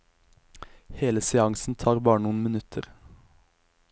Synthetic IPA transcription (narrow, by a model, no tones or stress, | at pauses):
heːləsɛɑŋsn̩t̪ʰɑːʁbɑːɳnuːn̩mɪnʉt̪ʰəʁ